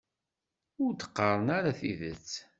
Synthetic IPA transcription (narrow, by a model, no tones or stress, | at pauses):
ʊɾt̪ə̥qːəɾˤənaɾaθiðə̰t͡sː